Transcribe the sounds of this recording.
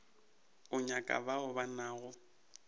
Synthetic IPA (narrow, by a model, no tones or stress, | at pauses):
ʊɲakʼa̰baʊbanaːɣʊ